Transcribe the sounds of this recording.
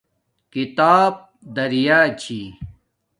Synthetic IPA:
kit̪aːb̚ | d̪ɐɾjaːt͡ɕʰi

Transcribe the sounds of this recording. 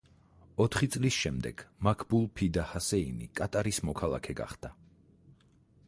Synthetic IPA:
ɔt̪ʰχit̪sʼlisʃɛmd̪ɛ̰ɡ̥makʰbulˠpʰid̪ahasɛinḭkʼat̪ʼaɾismɔkʰalˠa̰kʰɛɡa̰χd̪̥a

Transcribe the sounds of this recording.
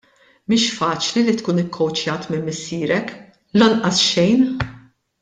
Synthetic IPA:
miːʃfɐːt͡ʃlilit̪kuːnɪkːɔwt͡ʃjɐːt̪mɪmːɪsːiːɾɛk | lɐnʔɐsʃɛjn

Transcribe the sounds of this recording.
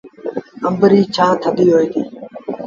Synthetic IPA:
ə̃mbɾiːt͡ʃʰãːt̪ʰəd̪iːɦoːiːt̪iː

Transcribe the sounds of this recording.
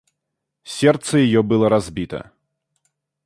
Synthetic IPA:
sʲɛrt̪sɐjajɔbɨlˠɐɾazʲbʲit̪ɐ̰

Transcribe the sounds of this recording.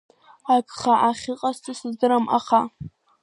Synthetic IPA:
akʼχaʔaχʲɨqʼastʰʼɨsɨzdɨɾama̰χa

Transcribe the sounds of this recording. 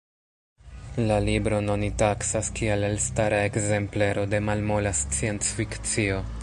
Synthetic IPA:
lalibɾo̞nonitaksaskielelstaɾae̞kze̞mpleɾo̞de̞malmolast͡sient͡sfikt͡sio̞

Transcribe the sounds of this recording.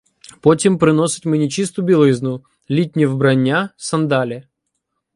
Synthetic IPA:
potʲɪmpɾʲɪnosʲɪ̥t̪ʲmɨnʲɪt͡ɕist̪ubʲɪlˠiznu | lʲit̚ʲnʲɪvbɾɐnʲːasɐnd̪alʲɪ

